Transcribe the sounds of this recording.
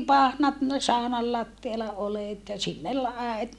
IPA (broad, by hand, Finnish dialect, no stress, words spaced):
pɑhnɑt sɑonɑl lɑtːiɑlɑ oleˑt jɑ sinːel æet